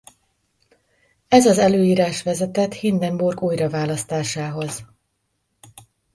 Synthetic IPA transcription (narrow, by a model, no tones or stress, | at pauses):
ɛzɒzɛløːjiːɾaːʃʋɛzɛt̪ɛt̪hind̪ɛmburɡuːjrɒvaːlɒst̪aːʃaːɦo̞z̥